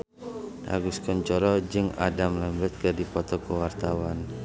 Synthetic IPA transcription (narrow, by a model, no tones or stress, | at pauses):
a̰ɡuskɔɲt͡ʃɔɾɔd͡ʒɨŋa̰damlɛmbɛt̪̚kədipɔt̪ɔkəwart̪awan